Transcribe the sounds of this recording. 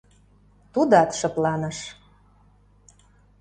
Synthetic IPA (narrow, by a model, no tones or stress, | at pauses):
t̪ud̪ɑt̪ʃɤ̆plɑnəʃ